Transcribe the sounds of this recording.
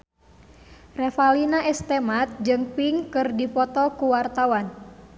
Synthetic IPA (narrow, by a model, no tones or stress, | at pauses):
rɛfalinaʔɛst̪ɛmat̪̚d͡ʒɨŋpiŋkɨrdipɔt̪ɔkuwart̪awan